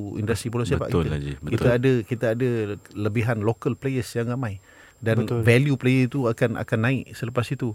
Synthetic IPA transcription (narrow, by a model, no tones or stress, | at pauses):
ḭndəst̪ɾibolɔsiapa̰ʔk̪iaɡibəkit̪aːdəkit̪aadələbiɦanlokəlplejəsjaŋramaj | danvɛljuplejəit̪uakanʔa̰kanːãɪʔsələpasit̪u